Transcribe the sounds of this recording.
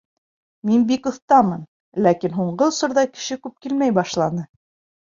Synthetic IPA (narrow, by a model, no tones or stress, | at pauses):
minbikŏθt̪ɑmɤn | lækinɦuɴɢɤŏsŏɾðɑkɘ̥̆ʃɘkʉp̚kilmæjbɑʃlˠɑnɤ